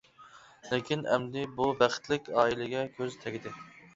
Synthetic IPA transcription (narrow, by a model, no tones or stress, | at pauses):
lɪkʲinɛ̰md̪ɪbubæχt̪lɪkʲɑːilɪɡʲɛkʲʰøzt̪ʰɛɡʲɪd̪ɪ